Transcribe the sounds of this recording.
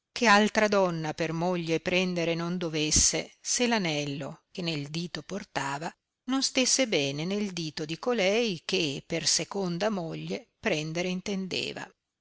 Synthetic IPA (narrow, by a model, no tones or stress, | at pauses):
k̟ʰealt̪ɾad̪ɔnːapermoʎːepɾɛnd̪eɾenond̪ovesːeselanɛlːo̰kenːeld̪iːt̪oport̪aːva | nonst̪esːebɛːneneld̪iːt̪od̪ikolɛjk̟epersekond̪amoʎːepɾɛnd̪eɾeint̪end̪ḛːva̰